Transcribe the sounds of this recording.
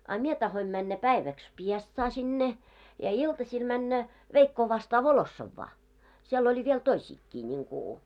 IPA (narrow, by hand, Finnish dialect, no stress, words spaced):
ɑ mie tɑhoim mænːæ pæiʋæks piestsɑː sinːe jɑ iltɑsʲil mænːæ ʋeikːoː ʋɑstɑː ʋolosːɑʋːɑː siel olʲi ʋiel toisʲiːkːiː nʲiŋku